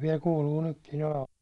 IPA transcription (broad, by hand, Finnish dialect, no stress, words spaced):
ʋiɛl kuːluː nykːin oleʋɑ